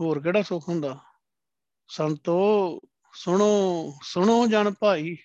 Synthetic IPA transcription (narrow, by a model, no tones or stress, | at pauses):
ɦoːɾkeːɽaːsʊkʰɦʊ̃ːnd̪aː | sənt̪oː | sʊɳoːsʊɳõːd͡ʒaːɳpaːiː